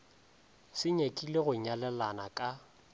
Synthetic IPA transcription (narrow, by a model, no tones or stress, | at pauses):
sɪɲekʼileɣʊɲalɛlanakʼa